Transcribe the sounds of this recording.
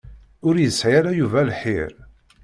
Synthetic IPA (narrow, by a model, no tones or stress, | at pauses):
ʊɾjəsʕaɾæjuvælħḭɾ